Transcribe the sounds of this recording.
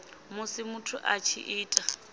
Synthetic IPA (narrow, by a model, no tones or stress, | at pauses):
mʊsɪmʊtʰʊʔat͡ʃʰɪ̰ʔɪːtʼa